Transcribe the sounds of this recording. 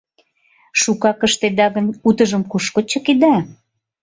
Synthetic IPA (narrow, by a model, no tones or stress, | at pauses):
ʃukɑkə̆ʃt̪ed̪ɑɣə̆nut̪ə̆ʒə̆mkuʃkŏt͡ɕɤ̆ked̪æ